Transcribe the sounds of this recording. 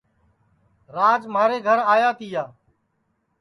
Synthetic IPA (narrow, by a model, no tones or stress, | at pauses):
ɾaːd͡ʒmaːɾeːɡʱəɾaːjaːt̪ʰɪjaː